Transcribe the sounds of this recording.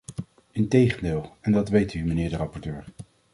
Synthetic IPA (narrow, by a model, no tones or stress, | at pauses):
ɪntejχəndɪːlˠɛndɑtʋejtymənɪːɹdərɑpɔɹtøːɹ